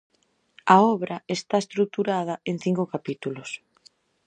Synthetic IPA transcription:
aɔβɾɐest̪aest̪ɾuk̚t̪uɾað̞ɐeŋ̟θiŋkokapit̪ulʊs

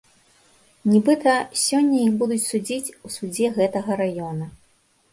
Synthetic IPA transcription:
nʲibɨt̪ɐsʲɔnʲːɐjixbud̪ut͡sʲsud͡zʲit͡sʲusud͡zʲɛɣɛt̪ɐɣɐɾajɔnɐ

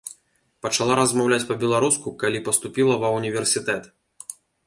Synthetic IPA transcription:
pɐt͡ʂalˠaɾɐzmawlʲat͡sʲpɐbʲɛlˠaɾuskukalʲipɐst̪upʲilˠɐvɐwnʲivʲɛrsʲit̪ɛt̪

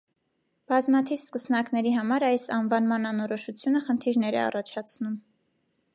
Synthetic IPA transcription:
b̥ɑzmɑt̪ʰivskəsnɑknɛɾiɦɑmɑɾɑjsɑnvɑnmɑnɑnɔɾɔʃut͡sʰjunəχənt̪ʰiɾnɛɾɛ̰ɑ̰rɑt͡ʃʰɑt͡sʰnum

